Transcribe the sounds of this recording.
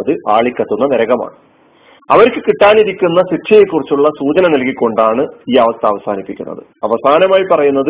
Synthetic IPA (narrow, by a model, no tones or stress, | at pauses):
ɐðɨʔaːɭikʲːɐt̪ːunːɐneɾɐɣɐma̰ːɳɨ | ɐʋɐɾkɨkiʈːaːniɾikʲːunːɐsitʰːɐjekːurit͡ɕːuɭːɐsuːt͡ɕɐnɐnɐlkːikʲːo̞ɳɖaːɳɨiːɐʋɐst̪ɐːʋɐsaːnipːikʲːunːɐ̰ðɨ̰ɐʋɐsaːnɐmaːjipɐrɐjunːɐðɨ